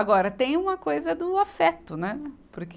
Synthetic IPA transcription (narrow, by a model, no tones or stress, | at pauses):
aɡɔɾɐt̪ẽj̃ũmɐkojzɐd̪ʊafɛt̪ʊnɛpʊɾk